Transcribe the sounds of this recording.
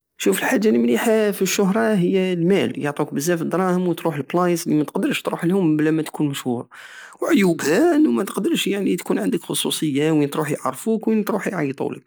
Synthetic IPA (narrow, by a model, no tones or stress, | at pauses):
ʃufəlħad͡ʒːaləmliħafiʃːʊɦɾˤɑɦəjːælmæljəʕt̪ˤuk̚bəzːæfəd̪ɾˤɑhəmwət̪ɾuħəlblɑjəslimæt̪qd̪əɾˤʃt̪ɾṵħlhʊmblæmæt̪kunməʃhuɾˤ | wʕʊjubhanːumæt̪əqd̪əɾˤʃjaʕnit̪kunʕənd̪əkxʊsˤusˤəjːawint̪ɾuħjʕɑrˤfukwint̪ɾuħjʕɑjt̪ˤṵlə̰k̚